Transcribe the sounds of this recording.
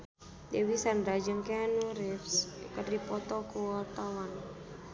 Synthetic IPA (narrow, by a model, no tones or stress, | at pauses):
d̪ewisandɾad͡ʒəŋkenuɾɪfskərdipɔt̪ɔkuɔt̪awan